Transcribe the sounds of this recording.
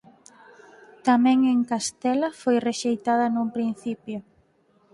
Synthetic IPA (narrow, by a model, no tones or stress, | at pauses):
t̪amɛ̃ŋeŋkast̪ɛlɐfojreʃejt̪aðɐnumpɾin̟θipjʊ